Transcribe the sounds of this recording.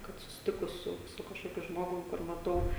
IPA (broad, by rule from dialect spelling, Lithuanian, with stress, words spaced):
ˈkɐt sʊsʲɪˈtʲɪkʊs ˈsʊ sʊ kɐʃˈkoːkʲʊ ˈʒmoːɡʊm kʊr mɐˈtɐʊ